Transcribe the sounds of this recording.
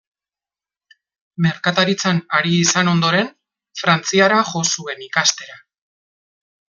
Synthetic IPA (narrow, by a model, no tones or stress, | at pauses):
me̞ɾkat̪aɾit͡sanaɾiːsano̞nd̪o̞ɾe̞n | fɾant͡siaɾaʝo̞sue̞nikast̪e̞ɾa